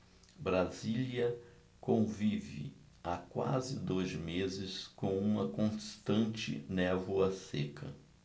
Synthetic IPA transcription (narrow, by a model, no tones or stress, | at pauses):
bɾaziliɐ | kõvivɪ̰ | akwa̰zɪd̪ojzmezɪskõw̃ũmɐkõst̪ɐ̃nt͡ʃɪ̰nɛvoɐsekʰɐ̰